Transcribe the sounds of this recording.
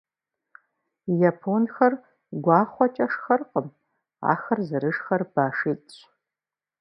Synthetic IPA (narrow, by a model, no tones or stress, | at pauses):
japʰonxɐr | ɡʷɑːχʷɔt͡ʃʼɐʂxɐrqʼəm | a̰ːxɐrzɨɾɨʂxɐrb̥aːʂiːt͡sʼ